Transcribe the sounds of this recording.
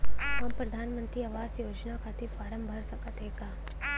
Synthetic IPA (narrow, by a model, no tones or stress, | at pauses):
ɦɐmpɾɐd̪ʱaːnmə̃nt̪ɾiɐʋaːzjoːd͡ʒnakat̪ʰifaːɾəmbʱɐɾsɐkət̪ɦeːɡaː